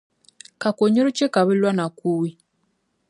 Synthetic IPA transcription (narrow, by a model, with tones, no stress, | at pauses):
ka˨ko˨ɲo˦ɾu˦t͡ʃe˦ka˨βi˦lwa˦na˨ku˦wi˦